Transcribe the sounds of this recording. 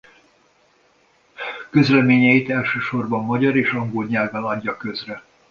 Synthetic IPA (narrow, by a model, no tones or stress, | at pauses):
kø̞zlɛmeːɲɛjit̪ɛlʃøːʃo̞rbɒmːɒɟɒɾeːʃɒŋɡolɲaːɡɒlɒɟːɒkø̞zrɛ